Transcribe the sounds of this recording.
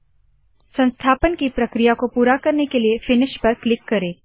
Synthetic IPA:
sɐ̃nst̪ʰaːpənkipɾɐkɾijakopuːɾakɐɾnekeliefɪnɪʃpɐɾklɪkːɐɾẽː

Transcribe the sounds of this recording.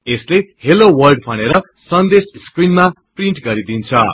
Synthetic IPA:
eslehelowʌrɖpʰʌñeɾʌ | sʌnd̪esskrinma | priɳʈɡʌɾid̪int͡sʰʌ

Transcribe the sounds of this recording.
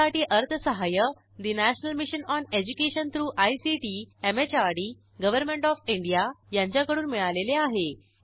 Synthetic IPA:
aʈiːʔəɾt̪ʰəsəɦajə | d̪inæɕənəlmiɕənɔned͡ʑukeɕənt̪ɾuːʔajsiʈiemet͡ɕaɾɽiː | ɡəʋəɾmẽɳʈɔfiɳɖijajãɲt͡ɕjakəɽuːnmiɭaleleaɦe

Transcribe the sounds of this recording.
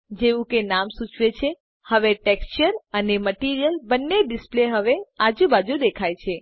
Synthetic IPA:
d͡ʒeʋũkenamsũt͡ʃʰʋet͡ʃʰe | həʋeʈekst͡ʃəɾəneməʈiɾijəlbənːeɖɪspleɦəʋead͡ʒũbad͡ʒũd̪ekʰajt͡ʃʰe

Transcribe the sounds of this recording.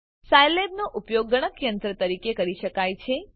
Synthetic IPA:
sajlebnoʔupjoɡːəɽ̃əkjənt̪ɾət̪əɾikekəɾiʃəkajt͡ʃʰe

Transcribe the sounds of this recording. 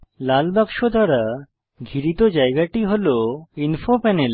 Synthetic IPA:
lalbakʃod̪ʱaɾa | ɡʱiɾit̪od͡ʑaeɡaʈiɦoloinfopɛnel

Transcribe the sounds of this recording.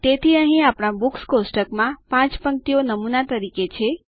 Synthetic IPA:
t̪et̪ʰiəɦĩapɳabukskosʈəkmãpãt͡ʃpəŋk̚t̪ijonəmunat̪əɾiket͡ʃʰe

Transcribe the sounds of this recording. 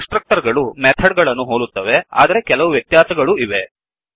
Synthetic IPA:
sʈɾɐk̚ʈɐɾɡɐɭumɛt̪ʰɐɖɡɐɭɐnːuɦoːlut̪ːɐʋe̞a̰ːd̪ɐɾekɛlɐʋuʋjɐt̪jaːsɐɡɐɭuiʋe̞

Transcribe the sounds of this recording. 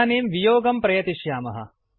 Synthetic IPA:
neːmʋijoːɡɐmpɾɐjɐt̪iʃjaːmɐɦɐ̰

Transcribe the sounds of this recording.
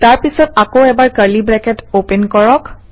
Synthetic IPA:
taɹpisɔt̚akoɛbaɹkəɹlibɹɛkɛtopɛnkɔɹɔk

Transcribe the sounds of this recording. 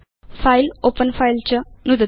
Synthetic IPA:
failopənfailt͡ɕanud̪ə

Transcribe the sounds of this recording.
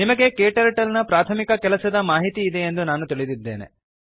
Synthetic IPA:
nimɐɡe̞keːʈɐɾɐʈɐlnɐpɾaːt̪ʰɐmikɐkɛlɐsɐd̪ɐmaːɦit̪iːd̪e̞end̪unaːnut̪iɭid̪id̪ːeːne̞̰

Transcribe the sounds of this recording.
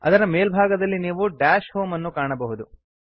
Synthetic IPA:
ɐ̰d̪ɐɾɐme̞ːlbʱaːɡɐd̪ɐlːiniːʋuɖaːʃhoːmɐnːukaːɳɐbɐɦud̪u

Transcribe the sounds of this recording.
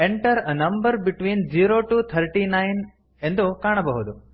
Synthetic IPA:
ẽɳʈɐɾɐnɐ̃mbəɾbiʈʋĩːnd͡ʒiːɾoːʈuːt̪ʰɐɾʈiːnajn | end̪ukaːɳ̃ɐbɐɦud̪u

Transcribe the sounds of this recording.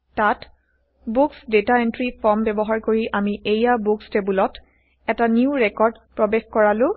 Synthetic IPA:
tat | buksdetaentɹipʰɔɹmbɛbɔɦaɹkoɹiʔamiʔejabukstebulɔt | ɛtaniuɹɛkɔɹdpɹɔbexkɔɹalʊ

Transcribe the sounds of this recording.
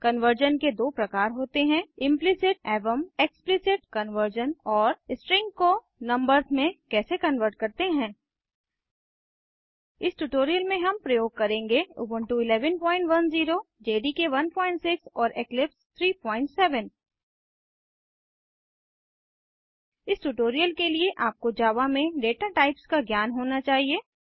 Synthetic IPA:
kɐnʋəɾd͡ʒənked̪oːpɾɐkaːɾɦoːt̪eɦɛ̃ɪ̃mplɪsɪʈ̚ɛːʋəmeksplɪsɪʈkɐnʋəɾd͡ʒənɔːɾsʈɾɪ̃ŋɡko | nɐ̃mbəɾzmẽkɛːsekɐnʋəɾʈ̚kɐɾt̪eɦɛ̃ː | ɪsʈuːʈoːɾijəlmẽɦɐmpɾɐjoːɡ̚kɐɾẽːŋɡeṵːbəɳʈuɪlɛːʋənpɔ̃ːɪ̃ɳʈʋɐnziːɾo | d͡ʒeːɖikeʋɐnpɔ̃ːɪ̃ɳʈsɪksɔːɾʔeːklɪpst̪ʰɾiːpɔːɪ̃ɳʈsɛːʋən | ɪsʈuʈoːɾijəlkelieʔaːp̚kod͡ʒaːʋamẽɖeːʈaʈaːɪpskaɡjaːnɦoːnat͡ʃaːɦieː

